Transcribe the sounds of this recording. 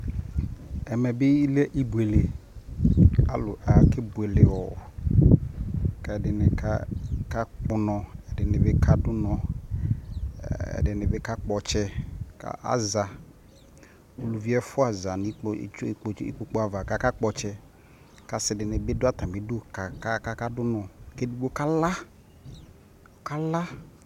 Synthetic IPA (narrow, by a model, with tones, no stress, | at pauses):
ɛ˨mɛ˨bɪ˦i˦lɛ˦ʔi˦bu˨e˨le˨ | a̰˦lʊ˨ʔa˨kɪ˦bu˨e˨lɪ˨wɔ˨ | kɛ˨dɪ˨nɪ˨ka˦ka˦k͡pʊ˦nɔ̃˨ɛ˨dɪ˨nɪ˨bɪ˦kʰa˨dʊ˦nɔ̃˨ | ɛ̰˨dɪ˨nɪ˨bɪ˦ka˦k͡pɔ˨t͡ʃɛ˦ka̰˨a̰˦za˨ | o˨lu˨vi˦ɛ˦fʊ˦a˨za˨n˨˦˨k͡pḭ˦k͡po˦k͡po˦a˨va˨ka˨ka˦k͡pɔ˨t͡ʃɛ˦ | ka˨sɪ˨dɪ˨nɪ˨bɪ˦dʊ˦a˦t̪ã˨bɪ˨˦dʊ˦ka˨ka˦ka˦ka˦dʊ˦nɔ̃˨ke˦du˦bo˦ka˦la˦ | ʊ˨ka˦la˦